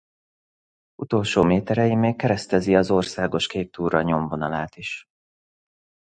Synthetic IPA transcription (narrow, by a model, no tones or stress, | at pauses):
ut̪o̞lʃoːmeːt̪ɛɾɛjimeːkːɛɾɛst̪ɛziɒzo̞rsaːɡo̞ʃkeːt̪ːuːɾɒɲo̞ɱvo̞nɒlaːt̪iʃ